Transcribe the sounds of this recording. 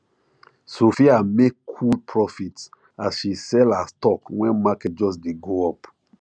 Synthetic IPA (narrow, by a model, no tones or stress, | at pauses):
sofiamekʰupʰɹɔfits | asʃisɛlastɔkwɛ̃nmakɛt̚d͡ʒɔs̬deɡoɔp